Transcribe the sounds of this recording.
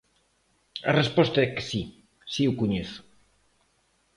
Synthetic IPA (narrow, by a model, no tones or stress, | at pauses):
ɐ̰respɔst̪aɛke̥si | siukuɲeθʊ̥